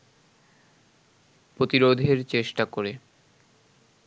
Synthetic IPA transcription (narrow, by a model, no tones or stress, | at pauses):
pɾot̪iɾod̪ʱeɾt͡ɕeʃʈakoɾe